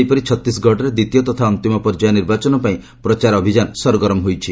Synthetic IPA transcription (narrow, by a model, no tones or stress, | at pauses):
jpɔɾit͡ʃʰɔt̪isɡʱɔʈɔɾed̪it̪ijɔt̪ɔt̪ʰaɔnt̪imɔpɔɾd͡ʒajɔniɾbat͡ʃɔnɔpaĩ | pɾɔt͡ʃaɾɔbʱid͡ʒanɔsɔɾɔɡɔɾɔmɦojt͡ʃʰi